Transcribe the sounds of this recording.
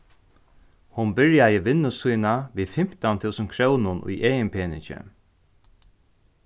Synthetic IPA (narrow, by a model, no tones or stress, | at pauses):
hʊnbɪɹjajɪʋɪnːʊsujnaʋiːfɪm̥t̪ant̪ʰuwsənkʰɹœwnʊnṵjʔeːjɪnpʰeːnɪt͡ʃɪ̰